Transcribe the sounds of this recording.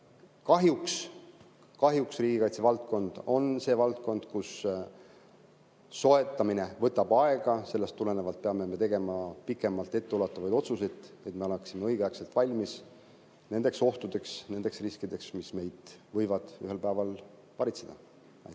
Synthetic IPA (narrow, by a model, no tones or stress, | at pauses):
kɑɦjuks | kɑɦjuksriːɡikɑjt̪se̞vɑlt̪̚ko̞nd̪̥o̞nse̞ːvɑlt̪̚ko̞nd̪̥kus | o̞et̪ːˑɑmine̞vɤt̪ːˑɑb̥ɑe̞ɡ̥ɑse̞lːest̪ːulenevɑlt̪̚peɑme̞me̞t̪e̞ɡe̞mɑpikːˑe̞mɑlt̪ːˑe̞t̪ːeulɑt̪ːˑɑvɑjd̪o̞t̪suse̞jt̪e̞t̪ːˑme̞oleksime̞ɤjɡ̥ækse̞lt̪ˑvɑlʲmis | ne̞nd̪̥e̞kso̞ht̪ud̪̥e̞ksne̞nd̪̥e̞ksriskid̪e̞ksmisme̞jd̪̥vɤjvɑd̪̥yɦe̞lpæːvɑl | pɑɾit̪sed̪̥ɑ | ɑ̰j̪